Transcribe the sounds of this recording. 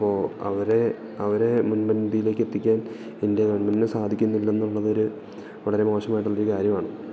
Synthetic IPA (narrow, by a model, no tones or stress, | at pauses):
ɐpːoːɐ̰ʋɐɾe̞ | ɐʋɐɾe̞munmɐnbijile̞ːkːe̞t̪ːikʲːaːn | indeɡɐɳmɐnnɨsaːd̪ʱikʲːunːilːenːuɭːɐðo̞ɾu | ʋɐɭɐɾe̞mo̞ːʂɐmaːjiʈːuɭːoɾukaːɾjɐmaːɳɨ